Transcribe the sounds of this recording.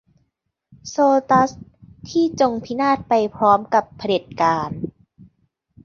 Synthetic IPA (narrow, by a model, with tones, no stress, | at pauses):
soː˧t̪a˦˥st̪ʰiː˥˩t͡ɕo˧ŋpʰi˦˥naː˥˩t̪̚pa˧jpʰɾɔː˦˥mka˨˩pʰːa˧de˨˩t̪̚kaː˧n